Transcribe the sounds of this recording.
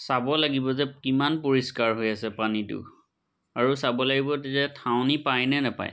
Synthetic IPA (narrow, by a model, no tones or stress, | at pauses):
sabɔlaɡibɔzɛkimanpoɹiskaɹɦojasɛpanitʊ̰ | aɹusabɔlaɡibɔtzɛtʰawnipajnɛnapa̰j